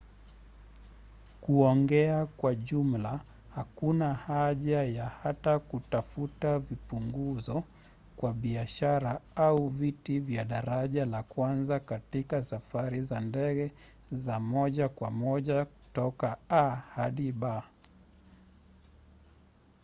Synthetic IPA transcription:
kuɔŋɡɛakwaʄum̩la | hakunahaʄajahatakutafutavipuŋɡuzɔ | kwaɓiaʃaɾaauvitivjaɗaɾaʄalakwanzakatikasafaɾizandɛɡɛzamɔʄakwamɔʄaku̥tɔkaahaɗiɓa

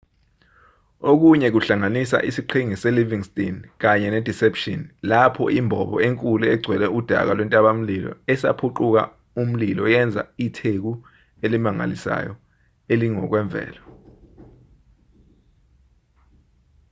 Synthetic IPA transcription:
ok̬uɲɛk̬uɬaŋanisa̰ʔisiǃʰiŋisɛliviŋstʼink̬aɲɛnɛd̥ʱisɛpʃinlapʰɔ̰imbʱɔɓɔ̰eŋkʼulɛɛɡ͡ǀʱwɛlɛud̥ʱa̰k̬alwɛntʼaɓam̩lilɔ̰ɛsa̰pʰuǃuk̬a̰ | um̩lilɔjɛnd͡zʱa̰itʰek̬u | elimaŋa̰lisa̰jɔ | eliŋɔk̬wɛɱb̪vʱɛ̰ːlɔ

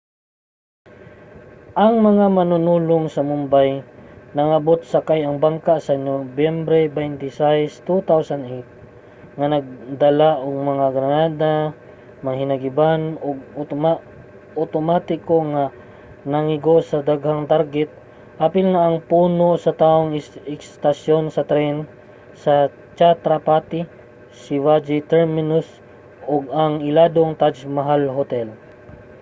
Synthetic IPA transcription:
ʔɐŋmɐŋamɐnʊnuːloŋsɐmʊmbajnɐŋɐbot̪̚sɐkajɐŋbaŋkasɐnobjɛmbɾɛbɛjnt̪ɪsajst̪ut̪awsand̪ʔejt̪̚ | ŋanɐɡ̚d̪ɐlaʔʊŋmɐŋaɡɾɐnaːd̪a | mɐŋhɪnɐɡɪbanoɡ̚ | ʔot̪omat̪ɪkoŋa | nɐŋɪɡosɐd̪aɡhaŋt̪aɾɡɛt̪̚ | hapɪlŋɐʔːŋpuːnosɐt̪aːʔoŋɪɪkst̪ɐsjonsɐt̪ɾɛn | sɐ | t͡ʃat̪ɾɐpaːt̪ɪ | sɪvad͡ʒɪt̪ɛɹmɪnʊs | ʔoɡ̚ɐŋɪlaːd̪oŋt̪ad͡ʒmɐɦalɦot̪ɛl

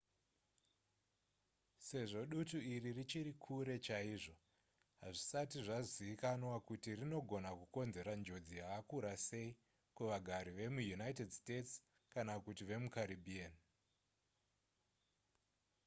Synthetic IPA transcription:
se̞ʐo̞ɗutuiririt͡ʃiɾikʰuɾe̞t͡ʃaiʐo̞ | ɦaʐisatiʐaziikanwakutirino̞ɡʱo̞nakuko̞nze̞ɾand͡ʒo̞d͡zijakakuɾase̞i | kuʋaɡʱaɾiʋe̞mujunaitedste̞ts | kanakutiʋe̞mukaɾibʱian

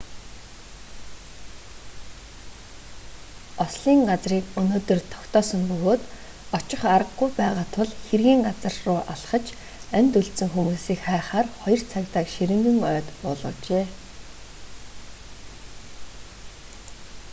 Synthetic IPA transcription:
ɔsɮiːŋɢat͡sriːkɵnoːt̪ɵ̆rt̪ʰɔ̥kt̪ɔːsə̆mpɵɣoːt̪ | ɔt͡ɕɪ̆χaɾə̆ɡːujpæːʁaːt̪ʰʊɮxerɣiːŋɢat͡sə̆rːʊːʔaɮχə̆t͡ɕ | ænt̪ɵɮsɘ̆ŋxumuːsiːkχæːχaːrχɔjɞ̆r̥t͡sʰakt̪aːkʃiɾɘ̆ŋɡɘ̆ŋœːt̪pʊ̰ːɮʁɞ̆t͡ɕeː

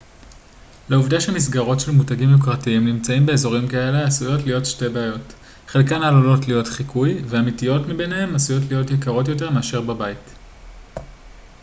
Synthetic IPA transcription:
leuvdaʃemis̬ɡaʁo̞tʃelmutaɡimjukʁatiimnimt͡saimbe̞ːzo̞ʁimkae̞leasujo̞tlijo̞tʃte̞beajo̞t | χelkanalolo̞tlijo̞tχikʰujveamitijo̞tmibe̞nehe̞masujo̞tlijo̞tjekaʁo̞tjo̞te̞ʁmeaʃe̞ʁbabait

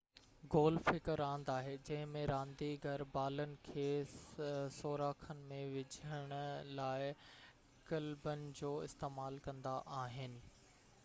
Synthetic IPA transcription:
ɡoːlfɪkəɾãːnd̪aːɦed͡ʑɐ̃ɦɪ̃mẽɾãːnd̪iɡʱɐɾbaːlənɪ̆kʰeː | soːɾaːkʰənɪ̆mẽʋɪd͡ʑʱəɽ̃ʊlaːɪ | kɐlbənɪ̆d͡ʑoːɪst̪eːmaːlkɐ̃nd̪aʔaːɦɪnɪ̆

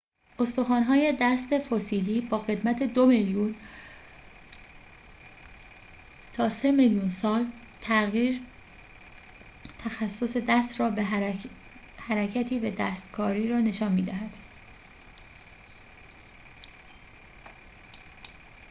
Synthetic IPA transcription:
ʔo̞st̪oxɒːnɦɒːje̞d̪æst̪e̞fosiːliːbɒːɣe̞d̪mæt̪ʰe̞d̪o̞meljuːn | t̪ʰɒːse̞meljuːnsɒːlt̪ʰæɣiːɾ | t̪ʰæxæsːo̞se̞d̪æst̪ɾɒːbe | hæɾæcʰæt̪ʰiːvæd̪æːst̪kʰɒːɾiːɾɒːne̞ʃɒːnmiːd̪æɦæd̪̥

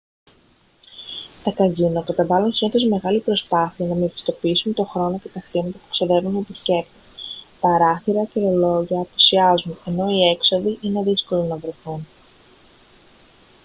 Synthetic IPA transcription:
t̪ɐkɐzinokɐt̪ɐvɐlunsinoθo̞sme̞ɣɐlipɾo̞spɐθiɐnɐmefi̥st̪o̞piisunt̪o̞xɾo̞no̞ce̞t̪ɐxɾimɐt̪ɐpu̥ksoðe̞vunet̪isce̞pt̪ip̪ɐɾɐθiɾɐcelolo̞ʝɐːpu̥siɐzune̞no̞ie̞kso̞ðiʔineðisko̞lonɐvɾe̞θun

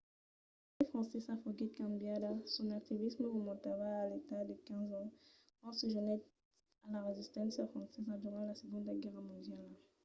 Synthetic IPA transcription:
ifχʁɑ̃sɛsɛ̃foɡit̪̚kãmbjad̪asɔ̃nak̚t̪ivisməʁomɔ̃t̪avaːlet̪ad̪əkɛ̃zɑ̃ | kɑ̃səʒənɛ | alaʁezist̪ɑ̃safχɑ̃sɛzãd̪yʁɑ̃lasəɡɔ̃d̪əɡɛʁmɔ̃d̪jal

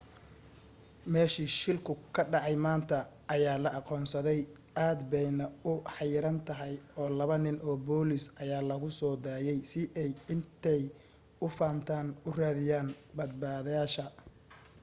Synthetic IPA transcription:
mɛːʃiːʃɪlkʰʊkʰɐɖɑʕɑjmaːnt̪ʰɐː | jaːlɐʔɑqɔːnsɐðɛj | ʔaːd̪bɛjnɐʊħɑjɪɾɐnt̪ʰɐɦɛjɔːlɐβɐnɪnʔɔːbɔːlɪsʔɐjaːlɐɣʊsɔːd̪aːjɛjsɪʔɛjɪnt̪ʰɛj | ʊfaːnt̪ʰaːnʊraːðɪjaːnbɐd̪̚baːðɐjaːʃɐ

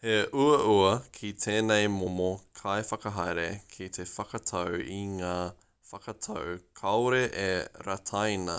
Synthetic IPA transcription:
heʔuɐʔuɐkʰit̪ʰeːnejmomokʰɐjfɐkɐɦɐjɾekʰit̪ʰefɐkɐt̪ʰɐwiŋaː | fɐkɐt̪ʰɐ̰wkʰɐwɾeʔeɾɐt̪ʰɐjnɐ̰

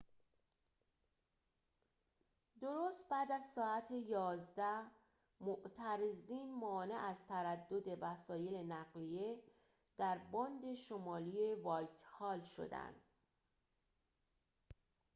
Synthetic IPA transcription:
d̪o̞ɾoːst̪̚bæːd̪æzsɒːæt̪ʰejɒːzd̪æ | moʔt̪ʰæɾeziːnmɒːne̞ʔæzt̪ʰæɾæd̪ːo̞d̪e̞væsɒːje̞le̞næɣlije̞ | d̪̥æɾbɒːnd̪e̞ʃomɒːlie̞vɒːjt̪ʰhɒːlʃo̞̰d̪æ̰nd̪̥

